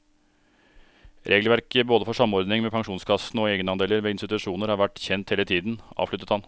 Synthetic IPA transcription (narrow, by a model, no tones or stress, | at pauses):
ɾʔeːɡlʋæɾkəboːd̪əfɔʂɑmɔɾd̪nɪŋmeːpʰɑŋʂuːnskʰɑsnɔeːɡənɑnd̪eːləɾʋeːɪnst̪ɪt̪ʉʂuːnəɾhɑːɾʋæʈːçɛnt̪heːlət̪ʰiːd̪n̩ʔɑ̰ːʋfʂɭʏt̪ət̪hɑn